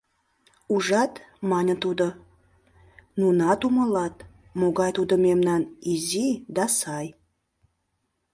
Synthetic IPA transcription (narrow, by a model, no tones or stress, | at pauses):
uʒɑt̪ | mɑnʲət̪ud̪ə̆ | nunɑt̪uməlɑt̪ | moɡɑjt̪ud̪ə̆memnɑnizid̪ɑsɑj